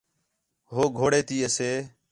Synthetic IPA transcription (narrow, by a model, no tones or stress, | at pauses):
ɦoːɡʱoːɽeːt̪iːəseː